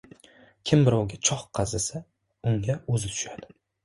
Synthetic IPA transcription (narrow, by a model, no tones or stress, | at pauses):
kʲʰɪmbɪɾɒwɡʲat͡ʃʰɒχqʰɑzasa | ʊŋɡʲaɵzɪt̪ʰʊ̥ʃad̪̥ɪ